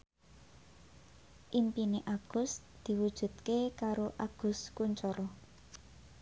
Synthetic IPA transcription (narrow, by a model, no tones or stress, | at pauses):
ʔimpineʔaɡ̥ʊ̤s | d̪̥i̤wud̥ʒ̥ṳd̪̚kekaɾoʔaɡ̥ʊ̤skuɲt͡ʃɔɾɔ